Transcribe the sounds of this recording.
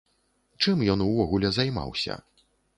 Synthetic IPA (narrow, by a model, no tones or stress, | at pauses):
t͡ʂɨmjɔnuvɔɣulʲɛzajma̰wsʲɐ̰